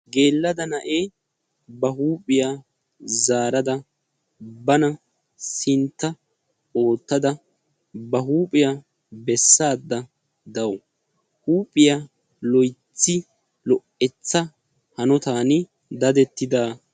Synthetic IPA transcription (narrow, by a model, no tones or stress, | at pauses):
ɡe̞ːlːɐd̪ɐnɐʔeː | bɐɦuːpʼɪjaː | zaːɾɐd̪ɐ | bɐnɐ | sɪnt̪ːɐ | o̞ːt̪ːɐd̪ɐ | bɐɦuːpʼɪja | bɛsːaːd̪ːɐ | d̪ɐwɔ | huːpʼɪjaː | lɔjt͡sːɪ | lɔʔɛt͡sːɐ | hɐnɔt̪aːnɪ | d̪ɐd̪ɛt̪ːɪd̪aː